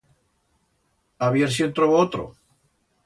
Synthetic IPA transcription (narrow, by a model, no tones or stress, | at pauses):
aβjeɾsjent̪ɾoβoot̪ɾo̰